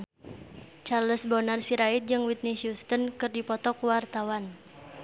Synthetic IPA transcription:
t͡ʃarləsbɔnarsiɾait̪̚d͡ʒɨŋwit̪̚nisjust̪ənkɨrdipɔt̪ɔkuwart̪awan

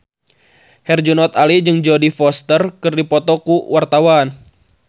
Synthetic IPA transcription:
hɛrd͡ʒunɔt̪alid͡ʒɨŋd͡ʒɔdifɔst̪ərkɨrdipɔt̪ɔkuwart̪awan

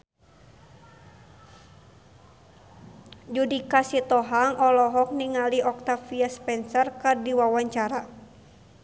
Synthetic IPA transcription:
d͡ʒudikasit̪ɔɦaŋʔɔlɔɦɔk̚niŋaliʔɔk̚t̪afiaspɛnsɔrkɨrdiwawaɲt͡ʃaɾa

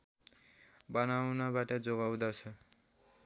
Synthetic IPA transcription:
bʌnawnʌbaʈʌd͡zoɡawd̪at͡sʰʌ

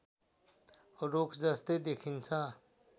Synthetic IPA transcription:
ɾokʰd͡zəst̪ed̪ekʰint͡sʰã

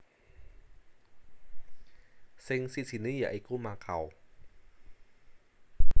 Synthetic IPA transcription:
seŋsisinɯja̰ʔajkuːmaːkʰa̰w

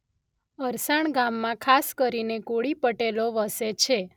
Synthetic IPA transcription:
əɾsaɳɡamːãkʰaskəɾinekoɭipəʈeloʋəset͡ʃʰe

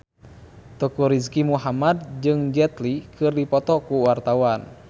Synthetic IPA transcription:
t̪ɔkuɾiskimuɦamad̚d͡ʒɨŋd͡ʒɛt̪likʰɨrdipɔt̪ɔkuwart̪awan

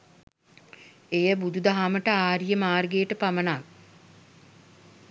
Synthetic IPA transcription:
ejəbud̪ud̪aɦaməʈəaːɾijəmaːrɡeːʈəpamənaːk

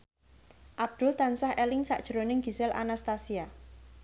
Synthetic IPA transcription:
ʔab̚d̪̥ʊlt̪ansahʔɛlɪŋsa̰ʔd̥ʒ̥ɾonɪŋɡ̥i̤sɪlʔa̰nast̪asia

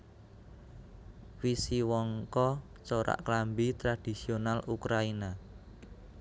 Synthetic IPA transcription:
fisiwɔŋkɔ | t͡ʃoɾa̰ʔklambit̪ɾad̥i̤sionalʔukɾaina

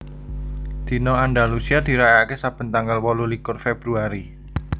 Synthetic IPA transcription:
d̪̥i̤noandalusiad̪̥i̤ɾajakesab̥ənt̪aŋɡalwɔlulikʊrfeb̥ɾuaɾi

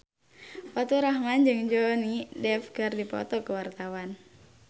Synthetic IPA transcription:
pɔt̪ɔɾaɦmand͡ʒɨŋd͡ʒɔnidɛfkɨrdipɔ̰t̪ɔkəwart̪awan

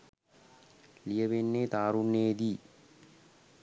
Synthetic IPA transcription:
lijəʋenːeːt̪aːɾunːeːd̪iː

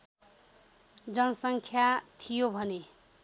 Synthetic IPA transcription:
d͡zʌnʌsʌŋkʰjat̪ʰijobʱʌne

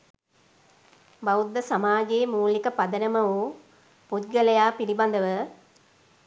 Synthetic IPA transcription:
baud̪ːəsamaːɡeːmuːlikəpɐd̪ənəməʋuː | put̪ɡəlɐjaːpiɾiband̪əʋə

